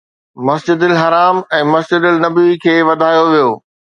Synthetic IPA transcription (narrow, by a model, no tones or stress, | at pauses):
mɐsd͡ʑɪd̪ɪlɦɐɾaːmɛ̃ːmɐsd͡ʑɪd̪ɪlnɐbikʰeːʋɐd̪ʱaːjoʋijoː